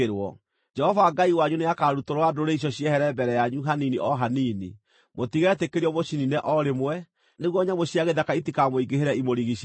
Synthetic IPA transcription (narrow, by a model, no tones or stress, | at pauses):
eɾwɔ̰ | d͡ʒɛhɔvaɡaiwaɲuneakaɾutoɾoadoɾeiʃ̬ɔɕiɛhɛɾɛbɛɾɛjaɲuɦaniniʔɔɦaniːnḭ | motiɣeɾɛtekeɾiɔmoɕininɛʔɔɾemwɛ | neɣwɔɲamoɕiaɣeðakaitikamoiɡeɦeɾɛimoɾiɣiɕ